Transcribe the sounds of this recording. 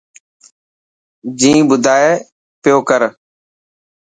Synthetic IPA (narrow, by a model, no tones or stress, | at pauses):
d͡ʒĩːbʊd̪ʱaːeː | pɪjoːkəɾ